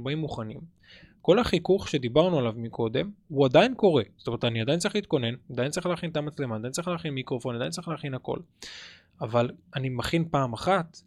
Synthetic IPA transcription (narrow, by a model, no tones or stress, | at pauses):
baimːuχanḭm | ko̞laχikuχʃe̞d̪ibaʁnualavmikʰo̞d̪e̞mhuad̪ajinko̞ʁe̞zot̪ome̞et̪aniadajint͡saʁiχlit̪̚ko̞ne̞nad̪ajint͡saʁiχleaχint̪amat͡sle̞mad̪ajint͡sʁiχleaχinmikʁofo̞nadajnt͡seiχleaχinako̞̰l | avalanimaχinpaːmaχat̪